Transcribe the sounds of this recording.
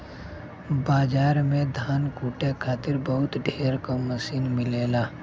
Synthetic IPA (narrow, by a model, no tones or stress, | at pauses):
baːd͡ʒaːɾmẽd̪ʱaːnkuːʈekʰaːt̪ɪɾbəɦʊt̪ɖʱeːɾkoməsiːnmɪleːlaː